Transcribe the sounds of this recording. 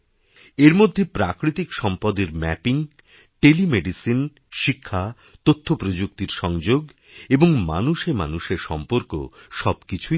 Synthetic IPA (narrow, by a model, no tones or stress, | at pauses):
eɾmod̪ʱːepɾakɾit̪ikʃɔmpad̪eɾmɛpiŋ | ʈelimeɖisin | ʃikʰːa | t̪ot̪ʰːopɾod͡ʑuk̚t̪iɾʃɔŋd͡ʑoɡ | eboŋma̰nuʃema̰nuʃeɾʃɔmpoɾko̰ʃɔbkit͡ɕʰu